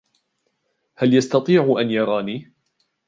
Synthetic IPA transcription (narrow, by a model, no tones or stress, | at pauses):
haljɑst̪ɑt̪ˤiːʕʔanjɑɾˤɑːniː